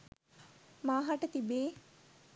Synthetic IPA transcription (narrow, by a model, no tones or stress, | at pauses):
maːɦɐʈət̪ibeː